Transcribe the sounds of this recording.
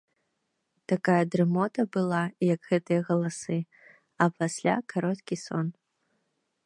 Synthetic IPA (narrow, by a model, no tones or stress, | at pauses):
t̪akajɐd̪ɾɨmɔt̪ɐbɨlˠajɐkɣɛt̪ɨjɐɣɐlˠasɨ | ɐpasʲlʲa̰kʰaɾɔt̪kʲisɔn